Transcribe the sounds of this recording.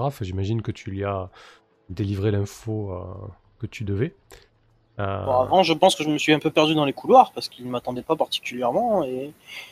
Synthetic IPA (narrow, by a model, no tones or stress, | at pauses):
ʁafɛʒimaʒinkət̪ʰylya | d̪elivʁelɛ̃foø̰ | kət̪yd̪əvɛ | ø̰ɔavɑ̃ʒəpɑ̃skəʒəməsɥiɛ̃pøpɛʁd̪yd̪ɑ̃lekulwaʁpaʁsə̥kilnəmat̪ɑ̃d̪ɛpapaʁt̪i̥kʲyljɛʁmɑ̃e